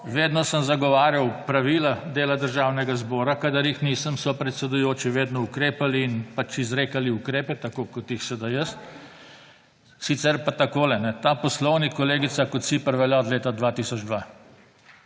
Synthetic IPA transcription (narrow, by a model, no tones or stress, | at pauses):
ʋeːd̪nɔsəmzaɡɔʋaːɾjawpɾaʋiːlad̪eːlad̪əɾʒawnɛɡazbɔːɾakad̪əɾjixniːsəmsɔpɾɛt̪sɛd̪ʊjoːt͡ʃiʋeːd̪nɔukɾeːpaliːnpat͡ʃizɾeːkaliukɾeːpɛt̪akoːkɔt̪jixsɛd̪ajəs | sit̪sɛɾpat̪akoːlɛnɛt̪aːpɔslɔwnikɔleːɡit̪sakɔt̪sipəɾʋɛljaɔd̪leːt̪ad̪ʋaːt̪iːsɔd͡ʒd̪ʋa